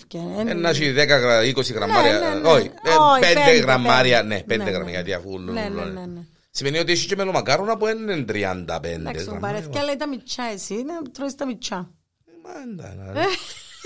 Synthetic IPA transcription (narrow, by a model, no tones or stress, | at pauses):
ɛnːat͡ʃiðɛkaɡaikosiɡɾamːaːɾjaoiɛneɡɾamːaɾjanɛpɛnd̪eɡɾa̰mːa̰ja̰t̪iafulːolːonnɛ | semeniot̪it͡ʃit͡ʃemelomakaːɾonapuɛnːend̪ɾia̰nd̪a̰pɛnd̪eɾa̰ɾɛkalːɛjt̪amit͡ʃːaɛsinat̪ɾɔist̪amit͡ʃːa | mand̪a̰na